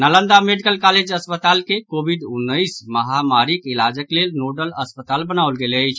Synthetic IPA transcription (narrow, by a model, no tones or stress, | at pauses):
nələnd̪ameɖikəlkaled͡ʒəspət̪alkekobʱiɖunːəjsməɦamaɾikilad͡ʒəklelnoɖələspət̪albənaʊlɡeləjt͡ʃʰ